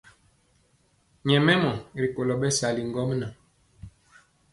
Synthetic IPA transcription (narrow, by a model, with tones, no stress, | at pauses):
ɲɛ˨mɛ˦mɔ˨ɾi˨ko˨lɔ˨ɓɛ˦sa˨li˨ŋ˨ɡɔ˦m˦na˨